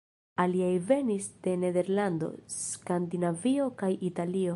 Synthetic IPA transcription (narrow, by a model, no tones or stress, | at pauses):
aliajve̞nisd̥e̞ne̞de̞ɾlando̞̰skandinavio̞kajitalio̞